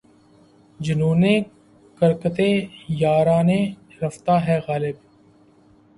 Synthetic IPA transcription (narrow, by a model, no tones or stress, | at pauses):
d͡ʒʊnuːneː | kəɾkət̪eːjaːɾaːne | ɾɐft̪aːɦɛːɣaːlɪb